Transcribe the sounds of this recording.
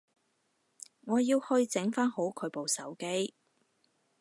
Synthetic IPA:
ŋɔː˨˧jiː˧whɵ˧ɥt͡sɪ˨˥ŋfaː˥nho˨˥wkʰɵ˨˧ɥpo˨wsɐ̰˨˥wke˥j

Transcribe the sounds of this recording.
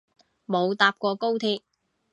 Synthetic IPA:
mo˨˧wt̪aː˧p̚kʷɔː˧ko˥wt̪ʰiː˧k̚

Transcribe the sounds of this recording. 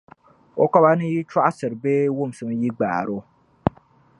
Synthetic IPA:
o˦ka˦ba˦nɨ˦ji˦t͡ʃa˦ʔa˦sɨ˨ɾɨ˨beː˦wʊ˦˨m˨sɨ˨m˦ji˦ɡ͡ba̰ː˨ɾo˦

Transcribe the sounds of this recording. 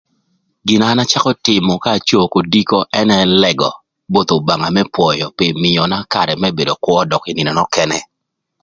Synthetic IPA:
ɡɪ˨na˨˦na˦t͡ʃa˦kɔ˦tɪ˨mɔ˨kaː˦˨t͡ʃo˦˨ko˨di˦ko˦ʔɛ˦nɛ˦lɛ˨ɡɔ̰˨ | bo˦t̪o˨ba˨ŋa˨mɛ˦pwɔ˨jɔ˨pi˨mɪ˨jɔ˨na˦ka˨ɾɛ˨mɛ˦be˨do˨kwɔ˦dɔ˨kɪ˦nɪ˨nɛ˨nɔ˦kɛ˦nɛ˦

